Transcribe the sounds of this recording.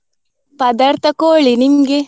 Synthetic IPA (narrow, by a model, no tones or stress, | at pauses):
pɐd̪ɐɾt̪ɐkoːɭinimɡe